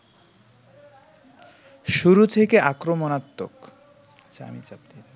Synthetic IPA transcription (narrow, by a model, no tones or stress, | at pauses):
ʃuɾut̪ʰekeʔakɾomonat̪ːok | t͡ɕa̰mit͡ɕab̚d̪id